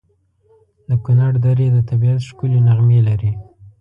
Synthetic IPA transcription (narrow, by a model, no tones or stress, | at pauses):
d̪əkʊnaɽd̪aɾed̪ət̪abiat̪ʃkulenaɣmelaɾi